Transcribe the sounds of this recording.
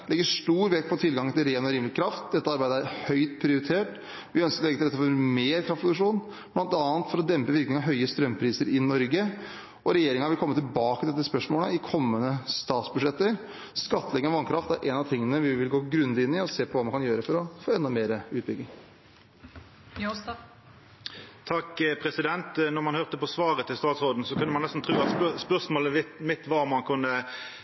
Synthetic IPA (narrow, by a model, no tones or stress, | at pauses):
lɛɡːəʂʈuːɾʋɛk̚pʰɔt̪ʰɪlɡɑŋːt̪ʰɪlɾeːnɔɾiːmlɪkʰɾɑft̪̚d̪ɛt̪ːəɑɾbæɪd̪əæɾhœʏt̪pʰɾɪʊɾɪt̪ʰeːʈ | ʋɪœnskəɾɔlɛɡət̪ɪlɛt̪ːəfɔɾmeːɾkʰɾɑft̪pʰɾʊd̪ʉkʂuːn | blɑnt̪ɑːənt̪fɔɾɔd̪ɛmpəʋɪɾknɪŋɑɦœʏəst̪ɾœmːpʰɾiːsəɾʔɪnɔɾɡə | ɔɾɛjeːɾɪŋɑʋɪlkʰɔmːət̪ʰɪlbɑːkəɛt̪ːəspœʂmoːləɪkʰɔmːənəst̪ɑːt̪sbʉʂɛt̪ːəɾ | skɑt̪ːəlɛɡənɑʋɑnkʰɾɑft̪æɾʔɛnɑt̪ʰɪŋːənəʋɪʋɪlɡoːɡɾʉnd̪ɪnːɪɔseːpʰɔʋɑːmɑnkɑnjøːɾəfɔɾɔfoːɛnːɑmeːɾəʉːt̪̚bʏɡ̪ɪŋ | t̪ʰɑkːpʰɾɛsɪd̪ɛnt̪nɔmɑnhøʁt̪əpɔsʋɑːʁət̪ʰɪlst̪ɑːt̪sʁoːd̪n̩sɔkʉnːəmɑnɛst̪n̩t̪ʁʉːɑt̪spœʁsmoːləmɪt̪ːʋɑmɑnkʰʉnːə